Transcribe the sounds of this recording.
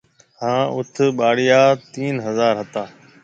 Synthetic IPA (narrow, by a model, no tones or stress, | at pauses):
hãːʔʊt̪ʰɓaːɽijaːt̪iːnɦəzaːɾɦət̪aː